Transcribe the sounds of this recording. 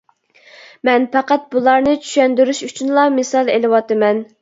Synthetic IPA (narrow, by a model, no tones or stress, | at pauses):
mɛnpæqæt̪̚bulˠɑɾnɨt͡ʃʰy̥ʃɛnd̪yɾyʃyt͡ʃʰynlˠɑmɨsɑlˠelɨwɑt̪ɨmɛn